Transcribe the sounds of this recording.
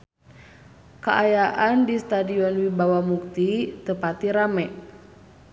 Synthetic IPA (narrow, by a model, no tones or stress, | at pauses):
kəʔajaʔandist̪adiɔnwibawahmuk̚t̪it̪əpat̪iɾamɛʔ